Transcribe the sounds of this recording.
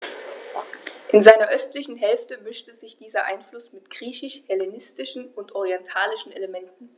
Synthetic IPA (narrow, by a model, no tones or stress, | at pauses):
ʔɪnzaɪnɐʔœstlɪçn̩ɦɛlftəmʏʃtəzɪçd̥iːzɐʔa̰ɪnflʊsmɪtɡ̥ʁiːçɪʃhɛlenɪstɪʃn̩ʊntʔɔʁiɛntʰaːlɪʃn̩eləmɛntn̩